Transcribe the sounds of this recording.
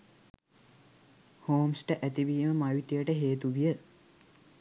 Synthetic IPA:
hoːmsʈəʔæt̪iʋiːməmajut̪ijəʈəɦeːt̪uʋijə

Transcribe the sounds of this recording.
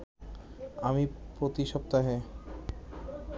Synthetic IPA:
amipɾot̪iʃɔp̚t̪aɦe

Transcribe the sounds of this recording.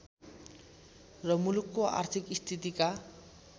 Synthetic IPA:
rʌmulukːoa̰rt̪ʰikist̪ʰit̪̬ika

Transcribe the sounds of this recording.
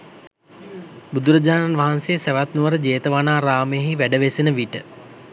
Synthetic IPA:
bud̪uɾəd͡ʑaːnanʋaɦansejəsæʋat̪nuʋəɾəd͡ʒeːt̪əʋanaːɾaːməjəɦiʋæɖəʋesenəʋiʈə

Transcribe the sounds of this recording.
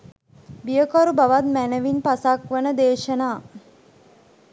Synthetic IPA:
bijəkoɾubaʋat̪̚mænəʋinpasakʋənəd̪eːʃənaː

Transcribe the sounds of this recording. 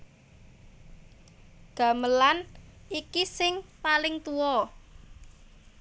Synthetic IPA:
ɡ̥a̤məlanʔikisɪŋpalɪŋt̪uɔ

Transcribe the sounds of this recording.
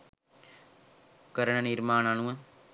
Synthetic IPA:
kɐɾɐɳɐniɾmaːnɐnuʋɐ

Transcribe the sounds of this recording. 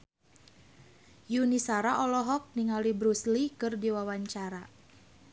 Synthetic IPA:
junisaɾaʔɔlɔɦɔk̚niŋalibɾuslikɨrdiwawaɲt͡ʃaɾa

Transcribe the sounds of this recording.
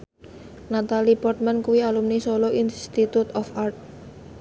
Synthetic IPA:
nat̪alipɔrt̪̚mankuwialumnisoloʔinst̪it̪ut̪ɔfart̪̚

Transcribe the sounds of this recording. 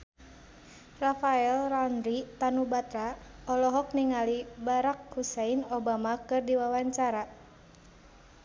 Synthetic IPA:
rafaɛlranɾit̪anubat̪ɾaɔlɔɦɔk̚niŋalibaɾak̚huseinɔbamakɨrdiwawaɲt͡ʃaɾa

